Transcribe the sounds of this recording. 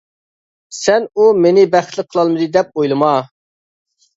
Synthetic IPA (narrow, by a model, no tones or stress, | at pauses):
sɛnumenɪbæχt̪lˠɨqʰːəlˠɑlˠmɨd̪ɨd̪ɛp̚ojlˠɨmɑ